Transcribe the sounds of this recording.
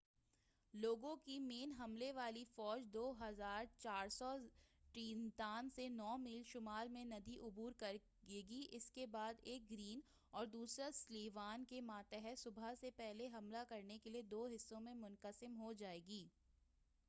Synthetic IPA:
loːɡõkimeːnɦɐmleʋaːlifɔːd͡ʒd̪oːɦɐzaːɾt͡ʃaːɾsɔʈiːnt̪aːnsenɔːmiːlʃʊmaːlmẽnɐd̪iʔʊbuːɾkɐɾ | ɡeːɡiʔɪskebaːd̪eːk̚ɡɾiːn | ɔːɾd̪uːsɾasliːʋaːnkemãːt̪əɦɛsʊbʱasepɛɦleɦɐmlakɐɾnekelied̪oːɦɪsːõmẽmʊnqəsɪmɦod͡ʒaːeːɡiː

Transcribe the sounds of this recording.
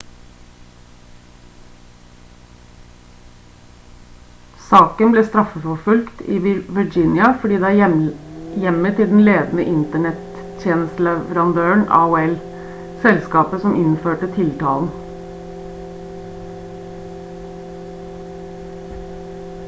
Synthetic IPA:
sɑːkənbleːst̪ɾɑfəfɔfʉlkt̪ḭːʋɪd͡ʒɪnɪɑfɔɖiːd̪ɛæː | jɛmət̪ʰɪld̪n̩leːd̪n̩əʔɪnt̪əɳɛt̪ | t̪jeːnəst̪l̩ɛʋəɾɑnd̪øːəɳɑ̰ːʊːɛl | sɛlskɑːpəsɔmʔɪnføːʈət̪ʰɪlt̪ʰɑːln̩

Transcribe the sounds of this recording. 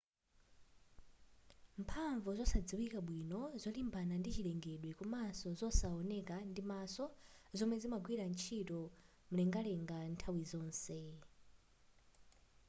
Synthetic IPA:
mpʰaɱvɔzɔsad͡ziwikaɓwinɔzɔlimbanandit͡ʃilɛŋɡeɗwikumasɔzɔsaɔnɛkandimasɔzɔmwɛzimaɡwiɾant͡ʃʰitɔ | mulɛŋɡalɛŋɡantʰawizɔːnsɛ

